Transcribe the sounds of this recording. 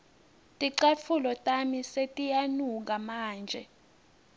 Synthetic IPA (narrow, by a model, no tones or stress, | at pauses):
tʼiǃafʰulɔtʼamisetʼijanuk̬amaːnd͡ʒʱɛ̰